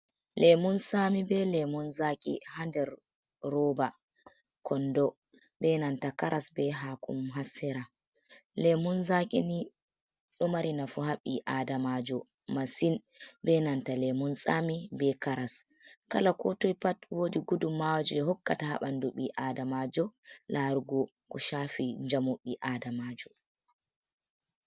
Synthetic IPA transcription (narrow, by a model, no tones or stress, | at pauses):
lʔɛmunsamibɛlɛmunzakʼḭhandɛɾɾɔba | kɔndɔbɛnantakaɾʔasbɛɦakʰṵmɦasːɛɾa | lɛmunzakʼini | ɗɔmaɾinafuhaɓːiʔadamad͡ʒɔmasinbɛnantalɛmunsʼamibɛkaɾaskalakɔtojpatwodiɡudumːawad͡ʒɔɛhɔkːa̰taha̰ɓanduɓiʔadamad͡ʒɔlʔaɾuɡɔkɔʃafiɲd͡ʒamoɓːiʔadamad͡ʒɔ